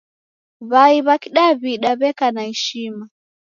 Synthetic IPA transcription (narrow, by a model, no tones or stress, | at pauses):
βaiβakiɗaβiɗaβɛkanaɛʃima